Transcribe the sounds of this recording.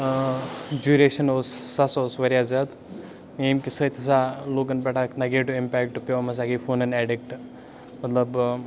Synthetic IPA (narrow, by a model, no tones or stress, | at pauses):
d͡ʑuɾeɕənosːasosʋɐɾjad͡zət̪ | inkisət̪ʲɐsalokənpɛʈaknaɡeʈuimpɛkʈpomɐs̬akifonɐnɛɖik̚ʈ | mɐt̪ləb